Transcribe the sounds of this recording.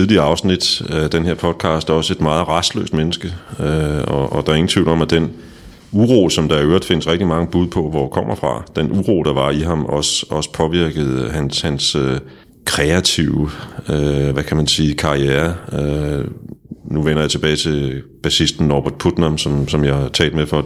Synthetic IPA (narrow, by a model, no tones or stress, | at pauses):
eðˠliɐɑ̈ʊsnid̥æd̥enɦe̝ɐpʰɒ̽d̥̚kʰɑ̈ːsd̥æɒ̽səe̝d̥mɑ̈ːð̩ˠʁɑ̈sd̥lø̰ːsd̥menəsɡ̥əøɒʔɒd̥ɑ̈æɐe̝ŋn̩t͡sʰʋiʊl̩ɒ̽mæd̥en | uʁo̝̰ːsɒ̽md̥ɑ̈iøɐd̥fe̝n̰əsʁɛɡ̥̚d̥imɑ̈ŋəb̥uð̞ˠpʰɒ̽ʋɒkʰɒ̽m̰ʔɐfʁɑ̈d̥enʔuʁo̝̰ːd̥ɑ̈ʋɑ̈iɦɑ̈mɒ̽sɒ̽sə̥pʰɒ̽ʋiɐɡ̥əð̞̩ˠɦænshænsø | kʰʁɛæt͡sʰiʊəøʋækʰæmænsiːkʰɑ̈ʁieɐø | nuʋen̰ɐjɑt͡sʰe̝b̥ɛːɪt͡sʰe̝b̥æsisd̥n̩ːɒːb̥æɐd̥̚pʰud̥nɐmsɒ̽msɒ̽mjɑhɑ̈t͡sʰɛ̰ːld̥mefɒ